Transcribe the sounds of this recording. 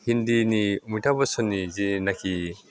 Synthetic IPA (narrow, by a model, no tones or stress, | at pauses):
hindinimujtʰabɐsɔnːizinakʰi